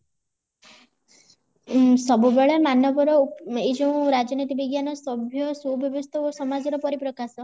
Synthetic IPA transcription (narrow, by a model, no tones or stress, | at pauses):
sɔbubeɭemanɔbɔɾɔejd͡ʒɔ̃w̃ɾad͡ʒɔnit̪ibiɡjanɔsɔbʱjɔsubjɔbɔst̪ʰɔosɔmad͡ʒɔɾɔpɔɾipɾɔkasɔ